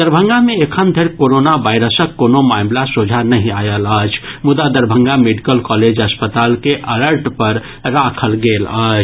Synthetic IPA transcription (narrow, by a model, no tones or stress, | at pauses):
d̪əɾbʱəŋɡameekʰənd̪ʱeɾkoɾonabajɾəsəkːonomamlasod͡ʒʱanəɦĩajələt͡ʃʰmud̪ad̪əɾbʱəŋɡameɖikəlkɔled͡ʒəspət̪alkeʔələɾʈpəɾ | ɾakʰəlɡelə̰t͡ʃʰ